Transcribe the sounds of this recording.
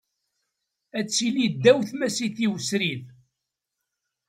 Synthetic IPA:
æt͡sːilid̪ːæwθmæsiθiwəsɾið

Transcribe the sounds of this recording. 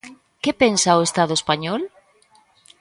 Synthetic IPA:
kepensaoest̪að̞ʊespaɲɔl

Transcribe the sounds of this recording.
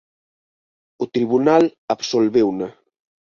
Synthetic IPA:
ut̪ɾiβunalaβsolβɛwna

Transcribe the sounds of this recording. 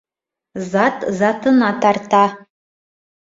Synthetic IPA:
zatʰzatʰɨnatʰartʰa

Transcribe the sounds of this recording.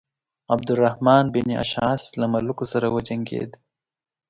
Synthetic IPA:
ɐbd̪ʊɾːɐhmɑːnbinia̰ʃaːslɐmɐlukosɐɾawɐd͡ʒɐŋɡḛːd̪

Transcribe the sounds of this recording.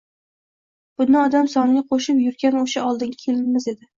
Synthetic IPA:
b̥ʊnːɪɒd̪amsɒnɡʲaqʰoʃɪpjʊɾɡʲanoʃaɒlˠd̪ɪŋʲakʲʰe̞lɪnmɪze̞d̪ɪ

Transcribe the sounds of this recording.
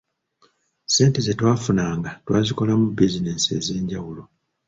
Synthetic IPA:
se̞ːnte̞zetwaːfunaːŋɡatwaːziko̞lamubizineːse̞̰ːze̞ːɲɟawulo̞

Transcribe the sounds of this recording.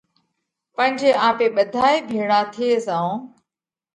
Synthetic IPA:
pə̃ɪ̃ɲd͡ʒeːãːpeːɓəd̪ʱaːiːbʱeːɽaːt̪ʰieːzãːõː

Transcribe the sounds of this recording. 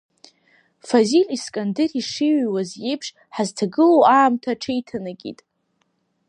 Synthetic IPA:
faziliskʼandɪriʂiɥwazjejpʰʂ | ħaztʰaɡɨlowaːmtʰaʈ͡ʂʰejtʰanaɡʲḭtʼ

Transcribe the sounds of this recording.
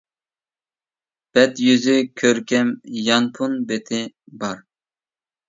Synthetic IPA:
b̥ɛt̪jyzykʲʰøɾkʲɛmjɑnpʰunbet̪ʰɪbɑɾ

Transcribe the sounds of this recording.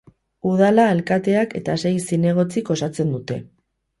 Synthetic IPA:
uð̞alaelkat̪e̞ake̞t̪asejsine̞ɣ̞o̞t͡siko̞sat͡se̞nd̪ut̪e̞̰

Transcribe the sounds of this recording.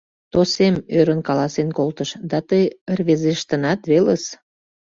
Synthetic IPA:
t̪osemøɾənkɑlɑsenkolt̪əʃd̪ɑt̪əjərβezeʃt̪ə̆nɑt̪βeləs

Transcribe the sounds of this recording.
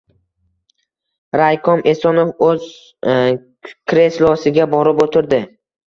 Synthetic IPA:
ɾajkʰɒme̞sɒnofɵz | kʲʰɾe̞slɒsɪɡʲabɒɾɪpot̪ʰɪɾd̪ɪ

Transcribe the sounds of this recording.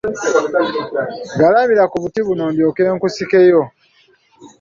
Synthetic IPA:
ɡalamiɾakuβutiβunoːmbjoke̞ːŋkusike̞jo̞

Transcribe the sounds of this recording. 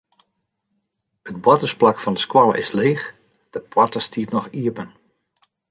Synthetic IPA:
ət̚bɔtəsplakfɑndəskwɔlˠə̰ʔɪ̰sleːx | d̥əpwɔtəstiətnɔxiəpən

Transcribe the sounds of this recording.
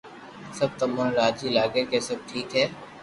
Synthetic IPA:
sɐb̚t̪ɐmənɾaːd͡ʒiːlaːɡekesɐb̚ʈʰiːkɦɛː

